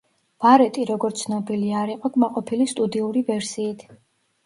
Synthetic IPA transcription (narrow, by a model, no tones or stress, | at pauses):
b̥aɾɛt̪ʼiɾɔɡɔɾt̪sʰnɔbiliaɾiqʼɔɡmaqʼɔpʰilist̪ʼud̪iuɾivɛɾsiːt̪ʰ